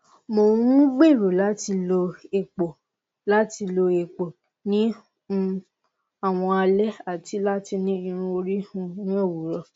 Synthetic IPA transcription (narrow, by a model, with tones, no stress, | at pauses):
mõ˨˦ũ˦ɡ͡be˦˨ɾo˨la˨˦ti˧lo˧e˨k͡po˨ | la˦ti˧lo˧e˨k͡po˨ | nĩ˦˧ | a˦˨w̃ɔ̃˧a˧lɛ˦a˦˨ti˨˦la˦ti˧nĩ˦ĩ˧ɾ̃ũ˧o˧ɾi˦hũ˧nĩ˦o˦˨wu˨˦ɾɔ˧